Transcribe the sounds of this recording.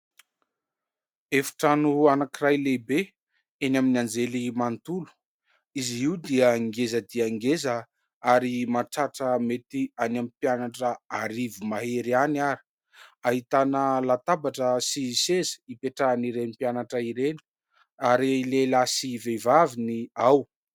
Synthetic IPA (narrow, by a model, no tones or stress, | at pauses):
efḁʈ͡ʂanuanakirajlebe | enaminand͡zelimant̪ulu̥ | iziwd̪iəŋɡezəd̪iəŋɡezə | aɾimaʈ͡ʂaʈ͡ʂəmet̪ianamipianaʈ͡ʂəaɾivimaɦeɾianaɾi̥ | aɦit̪anəlat̪abaʈ͡ʂəsisezə̥ipeʈ͡ʂaːniɾenipianaʈ͡ʂəiɾeni̥ | aɾilelasivevaviniaw